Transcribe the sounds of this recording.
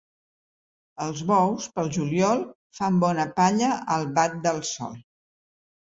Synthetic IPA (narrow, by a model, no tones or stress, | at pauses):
əlˠzβɔwspəlˠʒuljɔlˠ | fambɔnəpaʎəʔəlˠβat̪̚d̪əlˠsɔ̰lˠ